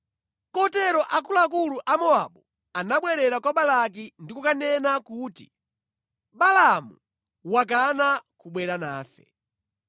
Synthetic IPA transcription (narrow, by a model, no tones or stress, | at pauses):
kɔtɛɾɔʔakulakuluʔamɔa̰ɓu | anaɓwɛɾɛɾakwaɓalak̬indikukanɛnakuːtḭ | ɓalamu | wak̬anakuɓwɛɾana̰ːfɛ̰